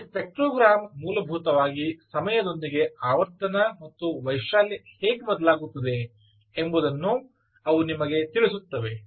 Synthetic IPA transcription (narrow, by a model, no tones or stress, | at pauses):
pek̚ʈɾoːɡɾaːmmuːlɐbʱuːt̪ɐʋaːɡisɐmɐjɐd̪o̞nd̪iɡe̞aːʋɐɾt̪ɐnɐmɐt̪ːuʋɐjʃaːliheːɡbɐd̪ɐlaːɡut̪ːɐd̪e̞ː | mbud̪ɐnːu | ɐʋunimɐɡe̞t̪iɭisut̪ːɐʋe̞